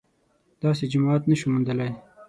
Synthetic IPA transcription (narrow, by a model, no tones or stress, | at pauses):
d̪̥ɑs̬ed͡ʒamɑat̪nəʃumənd̪əlaj